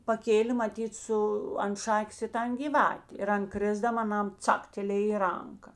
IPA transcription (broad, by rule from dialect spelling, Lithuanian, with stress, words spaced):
pɐˈkʲeːlʲeː mɐˈtʲiːt ˈsʊ ɐnt ˈʃɑːkʲeːs ɪ ˈtɐn ɡʲiːˈʋɑːtʲeː ɪr ˈɐn ˈkrʲɪzdɐm ɐˈnɐm ˈt͡sɑːktʲɛlʲeːj ɪ ˈrɐŋkɐ